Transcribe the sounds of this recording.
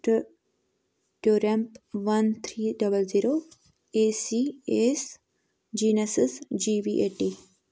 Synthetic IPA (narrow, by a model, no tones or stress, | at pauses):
ʈ | ʈoːɾempʋɐnt̪ʰɾiːɖɐbəlziːɾoː | esies | d͡ʒiːnɐsɪsd͡ʒiːbiʔeːʈi